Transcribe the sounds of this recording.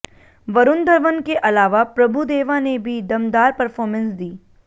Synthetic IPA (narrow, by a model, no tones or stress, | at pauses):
ʋɐɾʊnd̪ʱəɾʋənkeʔɐlaːʋapɾɐbʱud̪eːʋanebʱid̪ɐmd̪aːɾpɐɾfʰɔːɾmə̃nsd̪iː